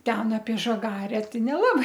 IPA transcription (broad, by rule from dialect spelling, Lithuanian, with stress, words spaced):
ˈtʲɛn ɐpʲiɛ ʒɐˈɡɑːrʲɛ ˈtɐɪ nʲɛˈlˠɑːbɐɪ